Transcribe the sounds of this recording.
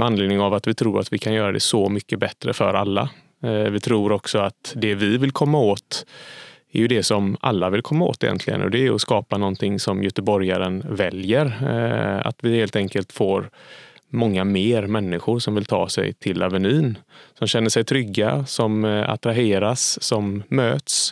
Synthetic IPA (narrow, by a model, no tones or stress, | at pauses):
anleːd̪nɪŋavat̪vɪt̪ʰɾuːɾat̪vɪkʰanjœːɾad̪ɛ̰sɔmʏkːəbɛt̪ːɾəfœɾalːa̰ | vɪt̪ʰɾuːɾɔksɔat̪d̪ɛvɪvɪlkʰɔmːaoːt̪ | ɛɾjɵd̪ɛsɔmʔa̰lːavɪlkʰɔmːao̰ːt̪ɛjɛ̰nt̪ʰlɪɡə̰nɔ̰d̪ɛːjɔskɑːpanɔnt̪ʰɪŋsɔmjœt̪əbɔɾjaɾənvɛljəɾ | a̰t̪vɪheːlt̪ɛŋkəlt̪foːɾmɔŋːameːɾmɛnːɪɧʊɾʂɔmvɪlt̪ʰɑ̰ːsɛ̰jt̪ʰɪlːavəniːnsɔmɕɛnːəʂɛjt̪ʰɾʏɡːasɔma̰t̪ɾaɦeːɾasːɔmːøːt̪s